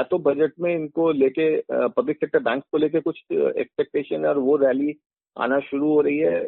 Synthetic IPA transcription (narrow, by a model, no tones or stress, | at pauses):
jat̪obɐd͡ʒəʈmẽɪnkoleːkepɐblɪksɛːk̚ʈəɾbɛ̃ːŋkskoleːk̬ekʊt͡ʃʰɛ̰ːkspek̚ʈeːʃənɔːɾʋoɾɛːli | a̰ːnaʃʊɾuɦoːɾɐɦiɦɛː